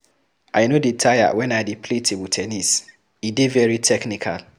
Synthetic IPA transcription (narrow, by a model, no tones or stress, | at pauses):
ʔaɪnoditʰaja̰wɛ̃nadipʰletʰewutʰɛnis | idevɛɹitʰɛknikʰa̰l